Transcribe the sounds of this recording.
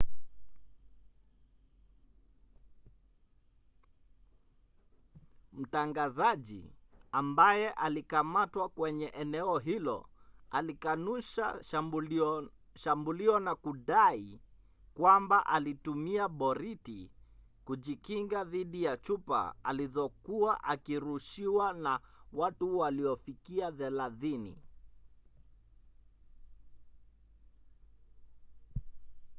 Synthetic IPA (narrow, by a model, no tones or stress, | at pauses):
m̩taŋɡazaʄḭambajɛʔalikamatwakwɛɲɛʔɛnɛɔɦilɔ̰alikanuʃa̰ | ʃambuliɔnakuɗai | kwambaʔalitumiaɓɔɾiti | kuʄikiŋɡaðiɗijat͡ʃupa̰a̰lizɔkuaʔakiɾuʃiwanawatuwaliɔfikiaðɛlaðinḭ